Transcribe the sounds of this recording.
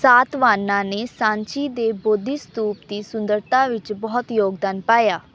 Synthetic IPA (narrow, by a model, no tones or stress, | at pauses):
saːt̪ʋaːnːãːneːsãːɲt͡ʃiːd̪eːboːd̪ist̪uːp̚d̪iːsʊnd̪əɾt̪ãːʋɪt͡ʃbɔːt̪joːɡd̪aːnpaːjaː